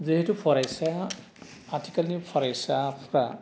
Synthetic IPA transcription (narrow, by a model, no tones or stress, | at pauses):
ziɦɛtupʰɔɹajsa | atʰi̥kalnipʰɔɹajsapʰɹa